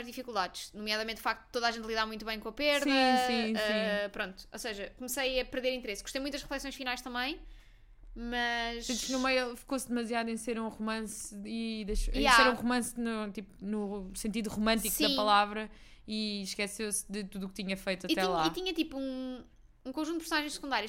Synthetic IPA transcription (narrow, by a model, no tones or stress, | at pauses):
ʒðifikulˠd̪aðʃnumjaðɐmẽnufak̚t̪ud̪t̪oðaʒẽnt̪lˠiðamũj̃t̪uβɐ̃j̃kõɐpeɾðɐĩsĩɛĩpɾõnt̪u̥osɐʒɐkumsɐjɐpɨɾðeɾĩnt̪ɾesɡuʃt̪ejmũt̪dɐʃʁɨflˠɛsõj̃ʃfinajʃt̪ɐ̃mbɐ̃j̃ | mɐʃẽt̪i̥ʃknumɐjˠfi̥kosd̪ɨmɐzjaðuẽj̃seɾũʁumɐ̃siðɐʃaeɾũʁumɐ̃snut̪ipunusẽnt̪̬iðuʁumɐ̃nt̪ikðɐ̃pɐlˠavɾɐ | iʃkɛsewsðɨt̪uðuk̚t̪iɲɐfɐjt̪uɐtit̪ɛlˠait̪iɲɐt̪ipuũ | ũkõʒũt̪pɨɾsunaʒɐ̃j̃ʃsɨ̥kũd̪aɾiɐʃ